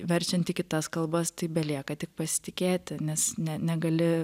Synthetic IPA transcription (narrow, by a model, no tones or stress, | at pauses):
ʋʲɛɾʲt͡ʃʲɛnt̪ʲɪkʲɪt̪ɐskɐlˠbɐst̪ɐɪbʲɛlʲiɛkɐt̪ʲɪk̚pɐsʲɪ̥t̪ʲɪkʲeːt̪ʲɪnʲɛsnʲɛnʲɛɡɐlʲɪ